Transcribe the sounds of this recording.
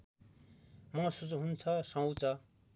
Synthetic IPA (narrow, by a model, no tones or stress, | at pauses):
mʌsud͡zɦunt͡sʰʌsʌ̃wt͡sʰʌ